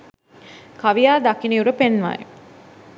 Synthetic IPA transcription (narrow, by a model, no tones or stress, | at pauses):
kaʋijaːd̪akiniuɾəpenʋa̰ːj̰